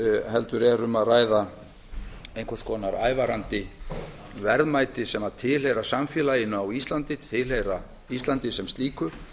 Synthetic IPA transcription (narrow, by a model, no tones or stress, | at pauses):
hɛlt̪ʏɾɛɾʏmaðraːjða | ejŋkʰɔskɔːnaɾa̰ːjvaɾant̪ɪ | vɛɾðmaːjt̪ɪsɛmat̪ʰɪlɦejɾasamfjɛːlaɪnːʏawist̪lant̪ɪt̪ʰɪlejɾa | ist̪lant̪ɪsɛmst̪liːkʏ